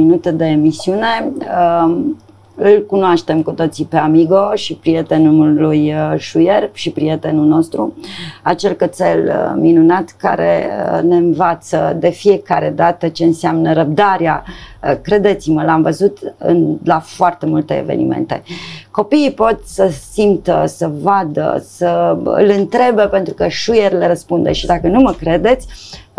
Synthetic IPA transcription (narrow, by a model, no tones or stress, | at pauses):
minut̪əd̪e̞ːmisiune̞ə | ɨlkunoaʃt̪e̞mkut̪o̞t̪sipeamiɡo̞ʃipɾijet̪e̞nulujʃujerʃipɾije̞t̪enuno̞st̪ɾuat͡ʃe̞lkət̪selminunat̪ka̰ɾḛəne̞ɨnvat̪səd̪e̞fije̞kaɾe̞d̪at̪ət͡ʃe̞ɨnseamnəɾəb̚d̪aɾeakɾe̞d̪e̞t̪siməlamvəzut̪ɨ̰nlafoart̪e̞mult̪e̞̰ːve̞̰nḭmḛnt̪e̞̰ko̞piːpo̞t̪səsimt̪əsəvad̪ə̰səɨ̰lɨnt̪ɾe̞bepe̞nt̪ɾukəʃujerʲleɾəspund̪ḛʃid̪akənuməkɾe̞d̪e̞t̪sʲ